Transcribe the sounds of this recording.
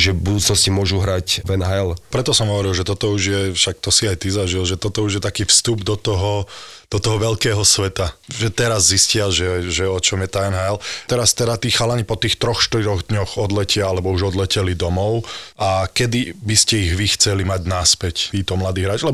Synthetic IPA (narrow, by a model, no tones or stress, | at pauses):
ʒɛbud̪uːt͡snɔscimʊɔʒuɦɾacvɛnɦajlpɾɛt̪ɔsɔmɦɔʋɔɾilˠʒɛt̪ɔt̪ɔuʒjɛfʃak̚t̪ɔsiajt̪izaʒilʒɛt̪ɔt̪ɔuʒjɛt̪akiːfst̪ubd̪ɔt̪ɔɦɔd̪̥ɔt̪ɔɦɔʋɛlkɛːɦɔsʋɛt̪aʒɛt̪ɛɾazːiscɪaʒɛʒɛɔt͡ʃɔmjɛt̪aɛnɦajlt̪ɛɾast̪ɛɾat̪iːxalaɲipɔt̪iːxt̪ɾɔxʃt̪iɾɔɣd̪ɲɔxɔd̪lɛcɪaalɛbɔuʒɔd̪lɛcɛlid̪ɔmɔʊʔakɛd̪ibiscɛiɣʋixt͡sɛlimaɟnaspɛct̪iːt̪ɔmlad̪iːɦɾaːt͡ʃlɛbɔ